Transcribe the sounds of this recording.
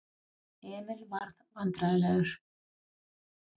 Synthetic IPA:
ɛːmɪlvaɾðvant̪ɾaðɪlɛɣʏɾ̥

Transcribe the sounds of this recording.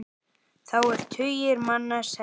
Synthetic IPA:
θawɛɾ̥t̪ʰʏjɪɾmanːasɛ

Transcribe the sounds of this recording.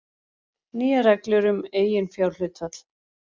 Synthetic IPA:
niːaɾɛklʏɾʏmeːjɪnfjawɾlʏːt̪fat̪l̥

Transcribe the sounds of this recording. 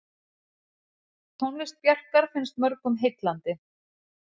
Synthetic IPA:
t̪ʰownlɪst̪̚pjar̥kaɾ̥fɪnst̪mœɾkʏmɦejt̪lant̪ɪ

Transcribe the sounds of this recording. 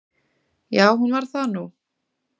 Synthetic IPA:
jaːwɦunvaɾ̥θanu

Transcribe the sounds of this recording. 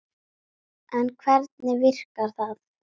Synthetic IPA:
ɛnkʰvɛɾt̪̚nɪvɪr̥kaɾ̥θaθ

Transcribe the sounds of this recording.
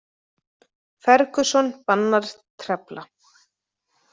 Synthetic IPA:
fɛɾkʏsɔnpanːaɾ̥t̪ʰɾɛpla

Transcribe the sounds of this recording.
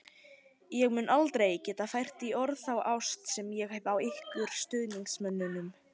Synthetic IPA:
jɛɣmʏnʔalt̪ɾejcɛːt̪afajr̥t̪iɔɾðθawʔawst̪sɛmjɛɣɛvawɪhkʏɾ̥st̪ʏːðniŋksmœnːʏnʏm

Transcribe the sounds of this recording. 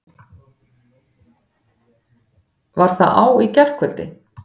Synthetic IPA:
vaɾ̥θaʔaːwicɛr̥kʰʏlt̪ɪ̰

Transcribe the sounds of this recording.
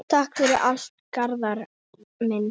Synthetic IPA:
t̪ʰahkfɪɾɪʔal̥t̪̚kaɾðaɾ | mɪn

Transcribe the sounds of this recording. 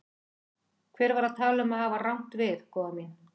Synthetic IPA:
kʰvɛːɾvaɾaðt̪ʰaːlʏmaðhaːvarawn̥t̪vɪðkʰɔːvamjɛn

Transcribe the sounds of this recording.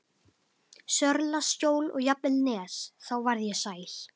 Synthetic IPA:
sœɾlascoːwlɔ̰ɣjapnɛlnɛːsθawvaɾðjɛsaːjɾ̥

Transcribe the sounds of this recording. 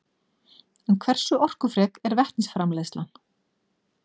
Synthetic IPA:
ɛnkʰvɛr̥sʏɔr̥kʏfɾɛːkɛɾvɛht̪nɪsfɾamlɛslan

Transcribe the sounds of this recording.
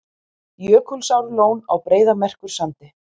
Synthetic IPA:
jœːkʏlsawɾloːwnawpɾeːjðamɛr̥kʏɾ̥sant̪ɪ

